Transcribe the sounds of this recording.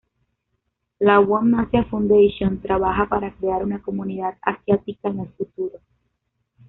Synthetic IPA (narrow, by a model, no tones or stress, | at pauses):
lawamnasjafũnd̪ejʃjõnt̪ɾaβaxapaɾakɾeaɾunakomuniðat̪a̰sjat̪ikaeŋelfut̪uɾo